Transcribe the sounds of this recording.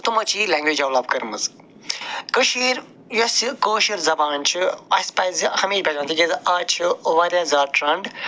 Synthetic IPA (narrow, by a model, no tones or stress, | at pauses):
t̪umɐt͡ʃiːlɛːŋɡʋeːd͡ʒɐʋlɐːb̚kɐɾmɐz | kəʃiːɾ | josikoːʃiɾzɐbaːnt͡ʃʰiɐsʲpɐzhɐmiːɾʲbʲɐd͡ʒãːnt̪ʰid͡ʒezaːt͡ʃʰiʋɐːɾʲãːzaːʈɾɐɳɖ